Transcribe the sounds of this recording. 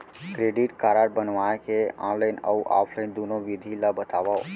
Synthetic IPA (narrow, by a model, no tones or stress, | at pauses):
kɾeɖiʈkaːɾaɾbənʋaekeã̰ləɪnə̰uʔa̰ːpʰlənd̪onoʋid̪ʱilabət̪aːʋao